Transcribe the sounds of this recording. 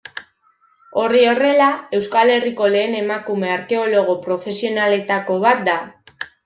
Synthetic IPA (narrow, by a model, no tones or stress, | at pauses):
o̞rio̞re̞lae̞wskale̞riko̞le̞ːne̞makume̞aɾke̞o̞lo̞ɣ̞o̞pɾo̞fe̞sio̞nale̞t̪ako̞βat̪̚d̪a